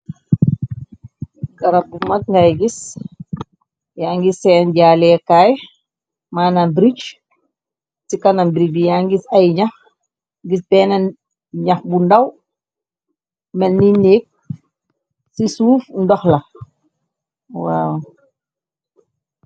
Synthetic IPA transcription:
kɐɾɐp̚bumɐt̚ŋɡajɡis | jaːŋɡisɛːnɟaːlɛkaːj | maːnambɾit͡ʃ | sikɐnɐmbɾibijaŋɡisɐjɲax | ɡisbɛːnɐ | ɲɐxbundɐw | mɛlnineːk̚ | sisuːfndɔxlɐ | waw

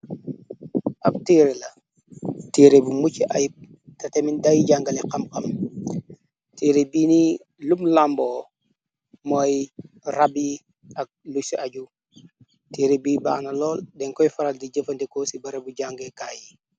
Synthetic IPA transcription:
ʔɐk̚tiːɾelɐ | tiɾebumut͡ʃiʔajip̚ | tɐtemindajɟaŋɡɐlɛqɐmqɐm | tiɾebiːni | lumlambɔ | mɔj | rabi | ɐk̚lusiʔaɟu | tiːɾebiːba̰ːnɐlɔːldɛŋkɔjfɐɾaldiɟəfɐndekosibɐɾebuɟaŋɡeka̰ːji

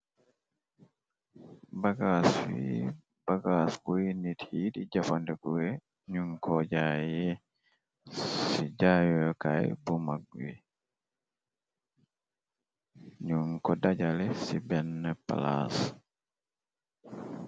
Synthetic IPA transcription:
baɡaswḭ | b̥aɡaskujinithidid͡ʒafandɛkuwɛ | ɲuŋkʰɔd͡ʒajɛ | sid͡ʒajɔjkajbumaɡ̚wḭ | ɲuŋkɔdad͡ʒalɛsibɛnːɛpa̰la̰s

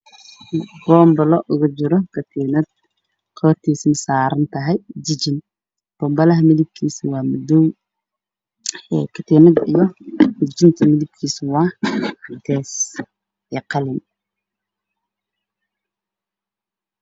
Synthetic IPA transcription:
b̥ɔːmbɐlɔʔʊɣʊt͡ʃɪɾɔkʰɐt̪ʰiːnɐd̪̚ | qʰɔːrt̪ʰiːsnɐsaːɾɐnt̪ʰɐɦɛjd͡ʒɪd͡ʒɪn | b̥ɔːmbɐlɐɦɐmɪlɪb̚kʰiːsɪwɑːmʊd̪ɔw | ɛkʰɐt̪ʰiːnɐd̪ijɔmɪd͡ʒɪnt̪ʰɐmɪðɪb̚kʰiːswɑːd̪ɛːs | ɛːqɑlɪn

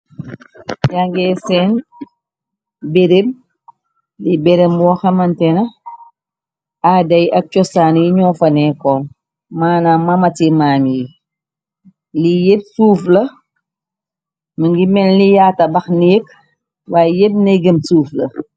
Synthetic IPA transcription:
jaŋɡɛsɛn | beɾem | libeɾembɔːxɐmɐntɛnɐ | adɐjʔɐk̚t͡ʃɔsaːnjiɲɔːfɐnɛːkɔːn | maːnamɐmɐtimaːmiji | lijep̚suːflɐ | məŋɡimɛnlijatɐbɐxniːk | waːjjeb̚neɡəmsuːflɐ

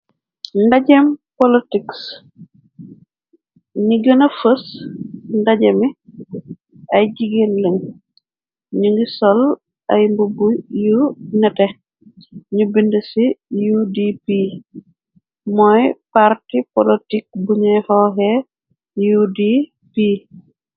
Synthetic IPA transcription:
ndaɟɛmpɔlitiks | ɲiɡənɐfəs | ndɐɟɛmi | ɐjɟiɡenləŋ | ɲuŋɡisɔl | ɐjmbubujunɛtɛ | ɲubindəsijudipi | mɔjpartipɔlitik̚buɲujhɔɦɛ | judi | pi

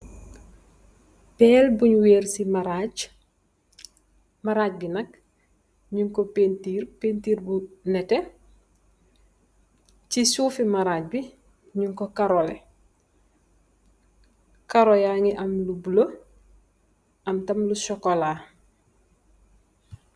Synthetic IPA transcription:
pɛːlbuɲweːɾsimaɾaɟ | maɾaːc̚binɐk | ɲuŋkopentiːɾpentiːɾbunɛte | t͡ʃisuːfimaɾaːc̚bi | ɲuŋkokaɾole | kaɾojaːŋiʔɐmlubulo | ɐmtɐmlusɔkola

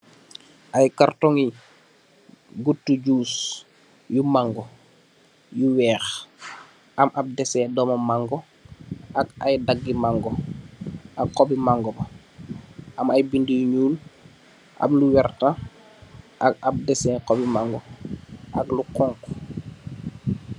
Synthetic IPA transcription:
ʔajkartɔŋi | ɡutːuɟuːs | jumaŋɡɔ | juwɛːx | ʔamʔab̚dɛsɛdɔmɐmaŋɡɔ | ʔaka̰jdaɡːimaŋɡɔ | ʔakqɔbimaŋɡɔbɐ | ʔɐmajbindijuɲuːl | ʔa̰mluwɛrta | ʔak̚ab̚dɛsɛkɔbimaŋɡɔʔaklukɔŋk

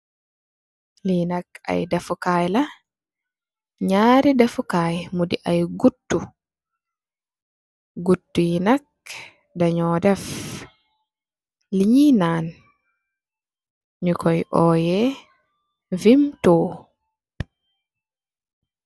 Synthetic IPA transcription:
linaka̰jdafukaːjla | ɲaːɾidafukajmudiʔajɡutːu | ɡutːujinak̚ | daɲɔːdɛf | liɲinaːn | ɲukʰɔjʔɔːjɛ | vimtoː

